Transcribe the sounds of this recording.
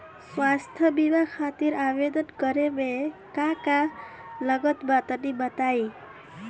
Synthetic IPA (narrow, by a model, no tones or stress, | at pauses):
swast̪ʰjʌbibakʰat̪iɾabed̪ʌnɡʌɾemekaka | lʌɡʌt̪bat̪ʌnibʌt̪aj